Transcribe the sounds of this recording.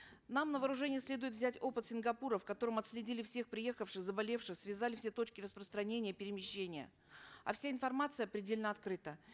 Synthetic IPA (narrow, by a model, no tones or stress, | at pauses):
namnəvəːɾʊʐɛnʲɪjəsʲlʲe̞d̪ʊjɪt̪vzʲætʲo̞pɨt̪sʲɪnɡɐpuɾəfkɐt̪o̞ɾəmɐt̪sʲlʲɪdʲilʲɪfsʲe̞xpɾʲɪje̞xəfʂɨxzəbɐlʲe̞fʂɨxsvʲɪzalʲɪfsʲe̞t̪o̞t͡ɕkʲɪrəspɾəst̪ɾɐnʲenʲɪjəpʲɪɾʲɪmʲɪɕːenʲɪjə̰ | ɐ̰fsʲaɪnfɐrmat̪sɨjəɐpɾʲɪdʲelʲnəɐt̪kɾɨt̪ə